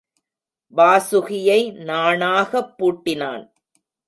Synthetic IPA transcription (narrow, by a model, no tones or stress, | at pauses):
baːsʊɣɪjɐɪnaːɳaːɣɐpːuːʈːɪna̰ːn